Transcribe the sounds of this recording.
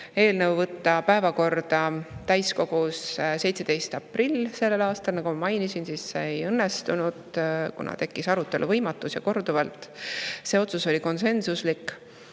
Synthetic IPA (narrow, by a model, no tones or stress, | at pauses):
e̞ːlnəwvɤt̪ˑːɑpæe̞vɑko̞rd̪̥ɑt̪æjsko̞ɡ̥usse̞jt̪se̞d̪̥e̞jst̪ɑprilːse̞lːelɑːst̪ɑlnɑɡ̥umɑmɑjnisinsisːeeejɤnːest̪unud̪̥kṵnɑ̰t̪e̞kːisɑɾut̪ːˑe̞lṵvɤjmɑt̪ːˑusjɑko̞rd̪uvɑlt̪ːˑse̞o̞t̪suso̞lʲiko̞nse̞nsuslikː